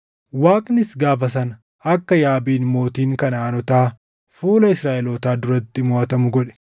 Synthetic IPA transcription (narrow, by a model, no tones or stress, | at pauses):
waːkʼnɪsɡaːfɐs̬ɐn | ɐkːɐjaːbiːnmo̞ːt̪iːŋkɐnaːnɔt̪aː | fuːlɐɪsɾaːʔɛloːt̪aːd̪ʊɾɐt̪ːɪmoʔɐt̪ɐmʊɡɔᶑɛ̥